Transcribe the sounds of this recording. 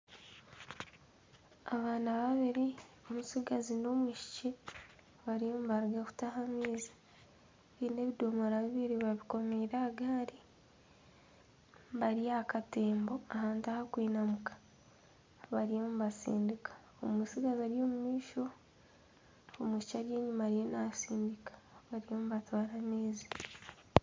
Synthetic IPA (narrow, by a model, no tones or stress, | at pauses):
aβaːnaβaβiɾio̞musiɡazino̞mwuʃi̥ce | βaɾiomuβaɾiɡaku̥tahamiːzḁ | βine̞βido̞moɾaβiβiɾiβaβiko̞miːɾaːɡaːɾi | βaɾijakate̞ːmbo̞ahaːntahakwiːnamukḁ | βaɾijomuβasḭːndikḁ | omwiːsiɡazaɾjo̞ːmumiːʃo̞ | mwiːʃt͡ʃaɾje̞ːɲumaɾijenasiːndikḁβaɾijomuβatwaːɾamiːzḁ